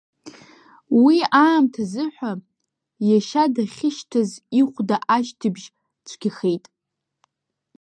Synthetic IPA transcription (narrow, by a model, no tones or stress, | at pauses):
wiaːmtʰazɨħʷᶣa | jaʃadaχʲɪʃtʰaziχʷdaʔaʃtʰɨbʒ | t͡ʃʷʰɡ̥ʲiχejtʼ